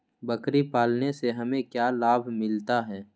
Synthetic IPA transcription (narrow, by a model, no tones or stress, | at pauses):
bɐkɾipaːlneseɦɐmẽkjaːlaːbʱmɪlt̪aɦɛː